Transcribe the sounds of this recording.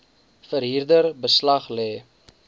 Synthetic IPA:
fəɾɦirdərbəslɐχlɛː

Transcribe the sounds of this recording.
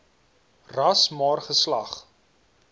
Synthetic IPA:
rɐsmɑːrχəslɐχ

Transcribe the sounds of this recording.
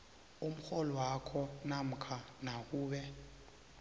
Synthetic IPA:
um̩xɔlɔwakʰɔnam̩kʰanak̬uːɓɛ

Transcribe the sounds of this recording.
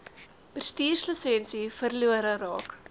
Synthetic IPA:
pərstiːrsləsɛnsifərluəɾərɑːk

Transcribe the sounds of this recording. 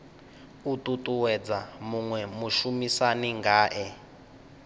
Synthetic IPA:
utʼutʼuwɛd͡zamuŋwɛmuʃumisaniŋɡaːʔɛ

